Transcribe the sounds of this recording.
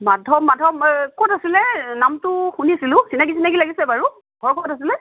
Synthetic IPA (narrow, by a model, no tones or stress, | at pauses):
madʱɔmːadʱɔmkɔtasilɛnamtʊxuniasilʊ̃sinak̬isinaɡilaɡisɛbaɹu | ɡʱɔɹkʰɔɔtasilɛ